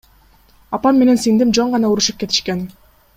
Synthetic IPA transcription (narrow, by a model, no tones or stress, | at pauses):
ɑpɑnme̞ne̞nsind̪imd͡ʒo̞ɴʁɑnɑuɾuʃɯp̚ke̞t̪ʰi̥ʃken